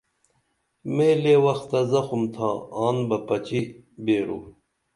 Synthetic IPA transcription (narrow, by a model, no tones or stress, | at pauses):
mẽːleːwɐxt̪ɐzɐxumt̪ʰãːaːnbɐpɐt͡ɕibeːɾṵː